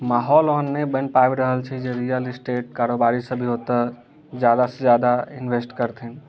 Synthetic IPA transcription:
maːɦɔːloɦənːebənpabɾəɦəlt͡ʃʰid͡ʒeɾijəlɪsʈeːʈ̚kaɾobaɾisə̃bʱiɦot̪ə | d͡ʒjad̪asə̃d͡ʒjad̪aɪnʋesʈkəɾt̪ʰin

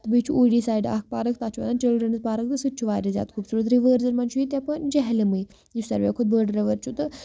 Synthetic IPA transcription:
t̪ɨbɨjt͡ʃʰuoːɖiːsaːjɖa̰ːk̚ʰpaːɾɨkʰt̪aːt͡ʃʰuʋɐ̰nant͡ʃilɖɾənɨzpaːɾɐk̚t̪ɨsɨt̪̚t͡ʃʰuʋaːɾʲizʲja̰ːt̪kʰubsuɾɐt̪ɾiʋəːɾzɐɾmɐnt͡ʃʰuit̪ʲɐpɐnd͡ʒɛɦlimɨj | jisɐ̰ɾʋʲekʰud̪̚bəːɾɖɾɐʋɐɾt͡ʃʰut̪ɨ

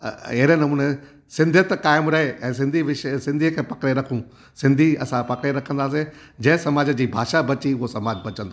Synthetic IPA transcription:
ɐɦɪɾenɐmũːne | sɪ̃nd̪ʱət̪kaːɪmɾɐɦeʔɛ̃ːs̬ɪ̃nd̪ʱiʋɪʃsɪ̃nd̪ʱikʰeːpɐkɽeɾɐkʰũ | sɪ̃nd̪ʱiɐ̰sãpɐkɽeɾɐkʰə̃nd̪aːs̬e | d͡ʑɐ̃ɦɪ̃sɐmaːd͡ʑəd͡ʑiːbʱaːʃabɐt͡ɕiʊɦosɐmaːd͡ʑbɐt͡ɕə̃nd̪oː

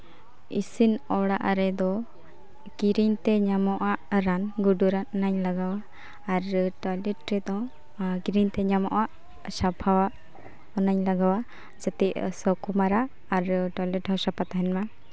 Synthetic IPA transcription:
ḭsinɔɽaʔaɾɛd̪ɔ | kiɾiɲt̪ɛɲamɔʔaʔɾanɡuɖuɾanɔnaɲlaɡawaː | ɾʈɔlɛʈɾɛd̪ɔ̃ | ɡiɾiɲt̪ɛɲamɔ̰ʔaʔ | sapʰawaʔ | ɔnaɲlaɡawa | d͡ʒat̪ɛʔsɔkumaɾaː | ɾʈɔlɛʈhawsapat̪aɦɛnma

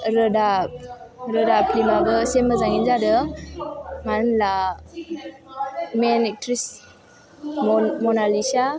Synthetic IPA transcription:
ɾədap̚ɾədaplimabəseməzaŋinzadə | manla | menek̚tɾis | mɔnalisa

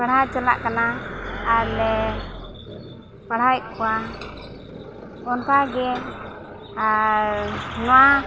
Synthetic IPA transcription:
paɽɦajt͡ʃɔla̰ʔkanaː | lɛ | paɽɦajkuwa | ɔnt̪aɡɛ | a | nɔwa

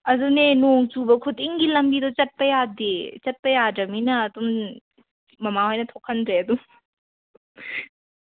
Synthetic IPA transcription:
ɐdunenoŋt͡ʃubɐkʰutiŋɡilɐmbid̪ɔt͡ʃɐt̚pɐjadet͡ʃɐt̚pɐjadɐminɐːdumː | ɐmahojnɐt̪ʰokʰːɐnɾeɐd̪u

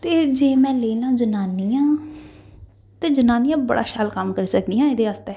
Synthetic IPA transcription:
t̪eːd͡ʒeːmɛ̃ːleːlaːũd͡ʒənaːniːãː | t̪eːd͡ʒənaːnijãːbə̰ɽa̰ːʃaːlkəmkəɾsək̚d̪iːjãːɪd̪eːəst̪eː

